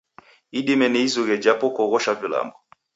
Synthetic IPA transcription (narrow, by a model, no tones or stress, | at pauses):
iɗimɛniizuɣɛd͡ʒapɔkɔɣɔʃavila̰mbɔ